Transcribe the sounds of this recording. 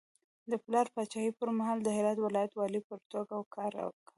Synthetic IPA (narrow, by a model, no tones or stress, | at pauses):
d̪əplɑɾpɑt͡ʃɑhipəɾmaɦɑld̪əɦɪɾɑd̪wɪlɑjat̪wɑlipəɾt̪oɡawkʰɑɾa̰wka